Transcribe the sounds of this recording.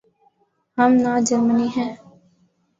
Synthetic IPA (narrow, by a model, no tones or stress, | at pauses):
ɦəmnaːd͡ʒəɾməniɦɛ̃ː